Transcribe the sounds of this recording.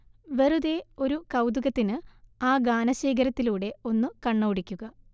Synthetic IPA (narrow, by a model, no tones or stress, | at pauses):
ʋe̞ruðe̞o̞ɾukɐwd̪uɣɐt̪ːinɨaːɡaːnɐɕeːɡɐɾɐt̪ːiluːɽe̞onːukɐɳːɐːɽikʲːuɣɐ